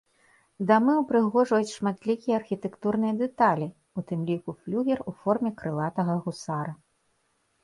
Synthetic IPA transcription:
d̪amɨwpɾɨɣɔʐɐjut͡sʲʂmat̪lʲikʲijɐːrxʲit̪ɛkt̪urnɨjɐd̪ɛt̪alʲi | ut̪ɨmlʲikuflʲuɣʲɛrufɔrmʲɛkɾɨlˠat̪ɐɣɐɣusaɾɐ

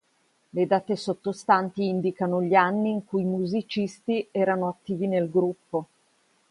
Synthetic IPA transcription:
led̪aːt̪esot̪ːost̪ant̪iind̪ikanoʎianːiːŋkuimuzit͡ʃist̪iɛːɾanoat̪ːiːvinelɡɾupːo

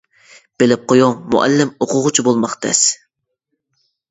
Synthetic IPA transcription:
b̥elɪp̚qʰojoŋmṵʔɛ̰lːɪmoqʰʊʁʊt͡ʃʰibolˠmɑqt̪ʰɛ̰s

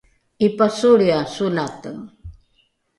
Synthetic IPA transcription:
ipasuɾiasunat̪əŋ

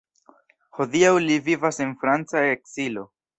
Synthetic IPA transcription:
ho̞d̪iawlivivasenfɾant͡saeksilo̞

